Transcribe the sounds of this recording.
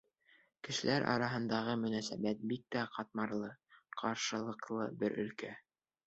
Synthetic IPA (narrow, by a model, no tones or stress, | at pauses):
kɘ̆ʃɘ̆læɾʔɑ̰ɾɑɦɤ̆nd̪ɑʁɤmɵ̆næsæbæt̪̚bik̚t̪æqɑt̪̚mɑɾlˠɤqʰɑɾʃɤ̆lˠɤ̆qlˠɤbɘɾʔɵ̆lkæ